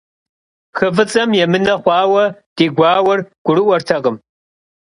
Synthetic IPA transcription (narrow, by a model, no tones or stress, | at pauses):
xɨvɨt͡sʼɐmjɛmɨnɐχʷɑːwɐd̥iːɡʷɑːwɐrɡ̥ʷʊɾɨʔʷɔrtʰɐʁəm